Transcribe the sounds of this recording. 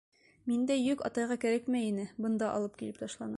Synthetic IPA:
mind̪æjʉkɒ̰t̪ɑjʁɑkæɾækmæinɘbɤ̆nd̪ɑʔɒ̰lˠɤp̚kilɘp̚t̪ɒʃlˠɑnɤɑ

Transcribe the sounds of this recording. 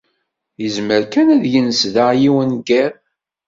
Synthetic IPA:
jəzməɾkænæðjənsðəʁjiwənɡæɾ

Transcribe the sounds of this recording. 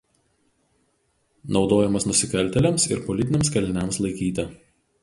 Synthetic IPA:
nɒʊd̪oːjɛmɐsnʊsʲɪkɐlʲˑt̪ʲɛlʲɛmsɪ̰ɾpɔlʲɪt̪ʲɪnʲɛmskɐlʲnʲɛmslˠɐɪkʲiːt̪ʲɛ

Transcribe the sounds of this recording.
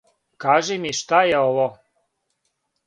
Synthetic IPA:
kɑʒemiʃt̪ajeolo

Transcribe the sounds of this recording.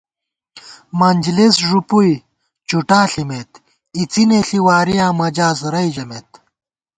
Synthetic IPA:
mɐnʲd͡ʑlesʐupuj | t͡ɕuʈãːɬimet̪ | it͡sineɬiwaːɾijãːmɐd͡ʑaːsɾɐjd͡ʑɐmet̪

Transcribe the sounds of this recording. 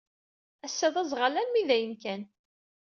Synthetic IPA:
æsːæðˤɑzˤʁəlænmiðæjənkæn

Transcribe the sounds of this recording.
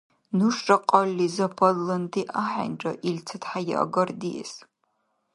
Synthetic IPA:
nuʂɐqʼɐlːizɐpʰɐlːɨntʰiʔaħa̰nʈ͡ʂʼɐʔilt͡sʰɐtħajɪ̰ʔɐ̰ɡɐrdiɛ̰s

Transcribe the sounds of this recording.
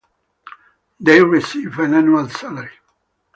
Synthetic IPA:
d̪eɪɹisivæ̃næ̃nualsaləɹi

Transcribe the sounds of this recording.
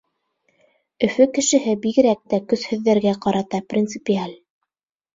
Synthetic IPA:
ɵ̆fɵkɘ̆ʃɘ̆ɦɘbiɣɘ̆ɾæk̚t̪ækɵ̆shɵ̆ðːæɾɡæqɑɾɑt̪ɑprʲint̪sɨpʲialʲ

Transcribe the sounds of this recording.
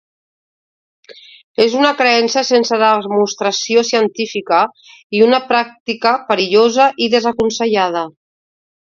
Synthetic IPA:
ezunəkɾeɛnsəsensəðəmust̪ɾəsiosiənt̪ifikə | iunəpɾak̚t̪ikəpəɾiʎozəʔiðəzəkunsəʎað̞ə

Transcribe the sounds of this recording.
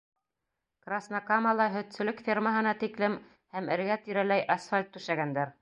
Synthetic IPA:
krasnɑkamɑlˠɑɦɵ̆t̪sɵ̆lɵkfʲirməɦɤ̆nɑt̪iklɘm | hæmɘ̆ɾɡæt̪iɾælæjʔɑsfalʲt̪ːʉʃæɡænd̪æɾ

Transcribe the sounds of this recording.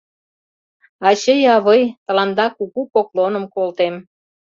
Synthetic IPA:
ɑt͡ɕəjɑβəjt̪ɤ̆lɑnd̪ɑkuɣupoklonə̆mkolt̪em

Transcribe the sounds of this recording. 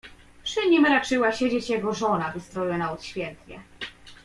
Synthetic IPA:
pʂɘɲimɾat͡ʂɘwaɕed͡ʑet͡ɕjɛɡɔʐɔnavɘst̪ɾɔiwanaut̪ɕfʲjɛnt̪ɲɛ̰

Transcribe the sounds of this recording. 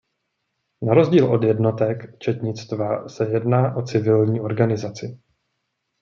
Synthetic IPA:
naɾo̞zɟiːlʔo̞djɛdno̞t̪ɛkt͡ʃɛt̪ɲɪt͡st̪vasɛjɛdnaːʔo̞t͡sɪvɪlɲiːʔo̞ɾɡanɪzat͡sɪ

